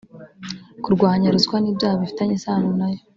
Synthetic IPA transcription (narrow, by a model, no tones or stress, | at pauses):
kuɾɡwaːɲaɾuzkwaniːbjaːhaβifi̥taɲesaːnunajo